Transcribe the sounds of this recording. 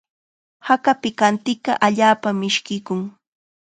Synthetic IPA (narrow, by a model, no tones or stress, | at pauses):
hakapɪkant̪ɪkɑʔaʎaːpamɪʃkɪkʊŋ